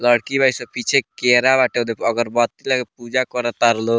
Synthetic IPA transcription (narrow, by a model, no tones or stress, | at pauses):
ləɽkibaisɔpit͡ʃʰekeɾaβaʈed̪eʌɡəɾbɔt̪ilaɡepud͡ʒakɔɾət̪aɾlo